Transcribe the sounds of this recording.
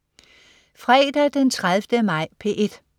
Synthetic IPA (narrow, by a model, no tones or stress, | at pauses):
fʁɛːd̥æd̥ent͡sʰʁaðˠfd̥əmɑ̈ɪ̰pʰe̝ʔe̝d̥